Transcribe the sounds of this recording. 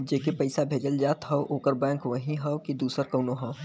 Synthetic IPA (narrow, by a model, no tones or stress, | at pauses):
d͡ʒeːkipɐɪsabʱeːd͡ʒəld͡ʒaːt̪ɦɐʔoːkəɾbɛ̃ːŋkʋɐɦĩɦɐkid̪uːsəɾkɐːnoɦɐ̃